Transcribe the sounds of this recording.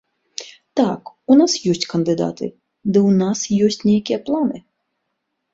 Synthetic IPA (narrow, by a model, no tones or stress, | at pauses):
t̪aːk | unasjusʲt̪ʲkand̪ɨd̪a̰ːt̪ɨ̰ | d̪ɨunasjusʲt̪ʲnʲɛkʲiɛplˠanɨ